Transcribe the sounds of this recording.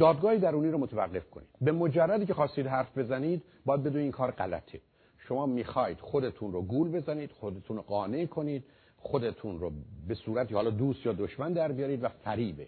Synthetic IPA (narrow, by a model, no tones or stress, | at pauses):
d̪ɒːd̪̚ɡɒːhed̪æɾuːniːɾomot̪ʰevæɡːe̞fkʰo̞̰nḭːd̪̥bemod͡ʒærːæd̪iːcʰexɒːst̪iːd̪ɦæɾfbe̞zæniːd̪ | bɒːjæd̪̚bed̪oiːnkʰɒːɾɢæ̰læ̰t̪ʰe | ʃo̞mɒːmiːxɒːjid̪̥xod̪et̪ʰunroɡuːlbe̞zæniːd̪xod̪et̪ʰunoɡɒːne̞kʰo̞niːd̪̥̚ | xod̪et̪ʰunɾobe̞suːɾæt̪ʰihɒːlɒːd̪uːst̪jɒːd̪oʃmænd̪æɾbijɒːɾiːd̪væfæɾiːbe